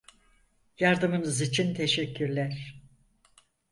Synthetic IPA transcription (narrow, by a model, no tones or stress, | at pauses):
jaɾd̪ɯmɯnɯzit͡ʃʰint̪ʰeʃɛcːyɾlʲæɾ̥